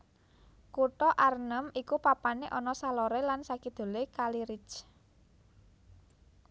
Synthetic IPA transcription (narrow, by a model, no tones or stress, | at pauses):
kuʈɔʔarnəmikupapaneʔɔnɔsalɔɾelansakid̪̥o̤lekaliɾit͡ʃ